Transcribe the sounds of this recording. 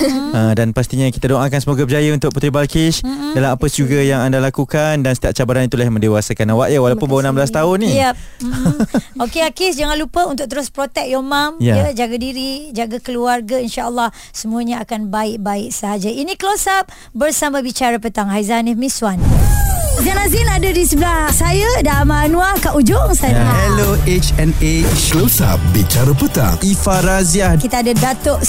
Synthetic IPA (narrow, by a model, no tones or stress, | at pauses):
ədanpast̪iɲakit̪adoʔakansəmoɡabəd͡ʒajaunt̪ʊk̚put̪ɾibalkɪʃdalamapəsd͡ʒuɡajaŋandalakukandansət̪iat̪̚t͡ʃabaɾanit̪ulahmə̃ndewasakanawaʔjawalawpʊnbawonamblas̬t̪aʊnːĩja | okeakɪsd͡ʒaŋãnlupəunt̪ʊk̚t̪əɾʊspɾot̪ɛk̚jɔmamjajəd͡ʒaɡadiɾid͡ʒaɡakəluarɡainʃaʔəlːah | səmũəɲãakanbaɪʔ̚baɪʔ̚səɦad͡ʒainĩkəlosap̚ | bərsamãbit͡ʃaɾapət̪aŋhajzanimĩswan | zanazinadadisəblahsajadamanũahkaʔud͡ʒʊŋsaahɛloʔet͡ʃɛnet͡ʃklosa̰p̚bit͡ʃaɾapət̪a̰ŋifaɾaziakit̪aadadat̪oʔ